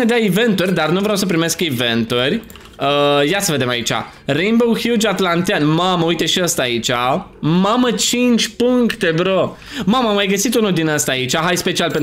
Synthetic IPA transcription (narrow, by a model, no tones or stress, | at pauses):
ned̪eaive̞nt̪urʲd̪arnuvɾeawsəp̬ɾime̞skive̞nt̪urʲ | əjat̪səve̞d̪e̞mait͡ʃa̰ | ɾejmbowhjud͡ʒat̪lant̪janmaməujt̪eʃiəst̪aːit͡ʃʲamamət͡ʃint͡ʃʲpuŋkt̪ebɾo | maməmajɡəsit̪unud̪inəst̪aːit͡ʃaɦajspet͡ʃialpen